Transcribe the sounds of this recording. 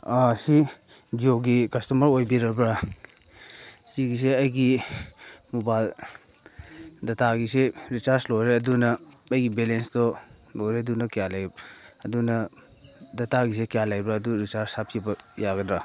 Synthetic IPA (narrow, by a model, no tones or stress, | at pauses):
asi | d͡ʒioɡikɐstumɐɾojbiɾɐbɾa | siɡis̬eɐjɡi | mobajl | dɐtaɡiseɾisaɾslojɾeɐdunɐː | jɡibelensdɔ | lojɾeɐdunɐkijalaj | ɐdunɐ | dɐtaɡis̬ekijalajbɾaːduɾisaɾsap̚ʰibɐjaɡɐdɾa